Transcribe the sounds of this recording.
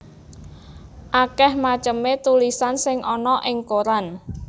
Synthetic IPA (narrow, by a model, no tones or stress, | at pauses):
ʔakɛhmat͡ʃəmet̪ulisansɪŋʔɔnɔʔɪŋkoɾan